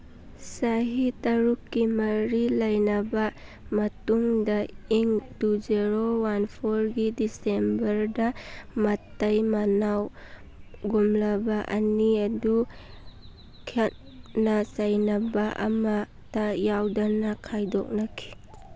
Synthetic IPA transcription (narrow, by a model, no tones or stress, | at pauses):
saɦitɐɾukːimɐɾilɐjnɐba | mɐtuŋdɐiŋtuzeɾowanpʰoɾɡidisembɐɾdɐmɐtːɐjmanaw | ɡumlɐbɐʔɐ̰niɐdu | kʰet̚ | nɐsajnɐbaʔɐ̰ma | tajawdɐnɐkʰajdɔk̚nɐkʰi̥